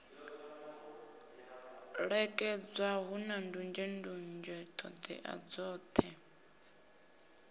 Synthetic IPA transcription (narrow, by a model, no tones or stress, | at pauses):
ɺɛkʼɛd͡zwaɦunandund͡ʒɛndund͡ʒɛt̪ʰɔd̪ɛ̰ʔa̰d͡zɔːt̪ʰɛ